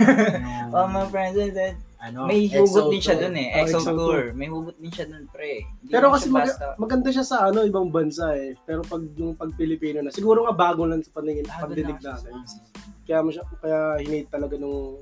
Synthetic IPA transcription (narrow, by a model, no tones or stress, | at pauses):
omɐŋɐpɹɛnzɛnd̪ɛd̪̚ɐnmɐjuɡʊt̪̚d̪ɪnʃad̪onɛʔɛʔɛsolɹmɐjhuːɡʊt̪̚nɪnʃad̪onpɾɛɪnipɛːɾokɐsɛmɐɡmɐɡɐnd̪aʃasɐʔɐno̞ɪbɐŋbɐnsaʔɛpɛːɾo̞pɐɡ̚nʊŋpɐɡ̚pɪlɪpiːnonɐsɪɡuːɾoŋɐbaːɡolɐnsɐpɐnɪŋɪnɐpɐɡ̚d̪ɪlɪɡ̚d̪aːt̪ɐnkɐjaːmɐʃakɐjahɪnejt̪ːɐlɐɡanʊŋ